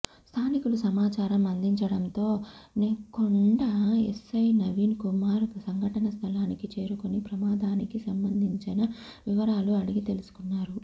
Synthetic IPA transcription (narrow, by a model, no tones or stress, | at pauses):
st̪ʰaːnikulusɐmaːt͡ʃaːɾɐmɐnd̪ʱiɲt͡ʃɐɽɐnt̪o̞ːneːkoɳɖɐḛsːɐjnɐʋiːnkumaːɾsɐŋɡʱɐʈɐnɐst̪ʰɐlaːnikit͡ʃe̞ːɾukonipɾɐmaːd̪aːnikisɐmbɐnd̪ʱiɲt͡ʃinɐʋiʋɐɾaːluɐɽiɡit̪e̞lusu̥kunːaːɾu